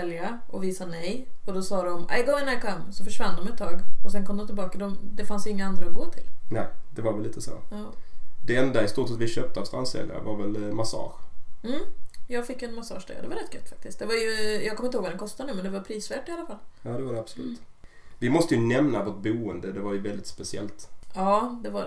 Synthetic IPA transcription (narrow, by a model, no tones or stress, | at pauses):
ɛljaɔviːsanɛjɔd̪ɔsɑːd̪ɔmɛ̰ɪɡɔŋənajakʰɔmːsɔfœʂvanːd̪ɔmɛt̪ʰːɑːɡɔsɛnkʰɔmd̪ɔmt̪ɪlbɑːkad̪ɔmd̪ɛfansjɪŋːaand̪ɾaɔfoːt̪ʰɪlnɛɪd̪̥ɛvaɾvɛlliːt̪əso̰ːɑːd̪̥ɛɛnd̪aɪst̪uːtsɛt̪vɪɕøːp̚t̪əɔfst̪anst̪ɛ̰lɪ̰ŋa̰ɾvaɾvɛlmasɑ̰ːɧm̩ːjɑːɡfɪkjɵɛnmasɑ̰ːʂd̪ɛ̰ad̪ɛvaɾɛt̪̚ɡɛt̪ːfak̚t̪ɪsk̪t̚d̪ɛvaɾjɵjɑːɡkʰɔmːɪnt̪əhoːɡvadɾɛnkʰɔst̪anʉ̟ːmɛnd̪ɛvaɾpʰɾiːsvæːʈːɪalːafalːjɑːd̪ɛvadɛab̥sɔlʉ̟ːt̪ | vɪmɔst̪əjɵnɛmnavoʈ̚buːənd̪əd̪ɛvaɾjɵvɛld̪ɪt̪spɛsɪɛ̰lt̪ɑːd̪ɛva